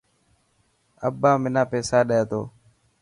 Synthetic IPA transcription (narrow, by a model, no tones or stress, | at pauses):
əbːaːmɪnãːpeːsaːɗəjeːt̪oː